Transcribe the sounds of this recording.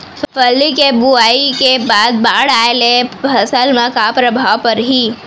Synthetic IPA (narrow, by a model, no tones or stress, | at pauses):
səpʰəlːikebuaːikebaːd̪̚baːɽaːelebʰəsəlmãkapɾəbʱaːwpɐɾɦiː